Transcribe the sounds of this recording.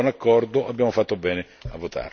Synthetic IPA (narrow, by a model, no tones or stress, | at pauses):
nakːɔrd̪oʔabːjaːmofat̪ːobɛːne | avːot̪a̰r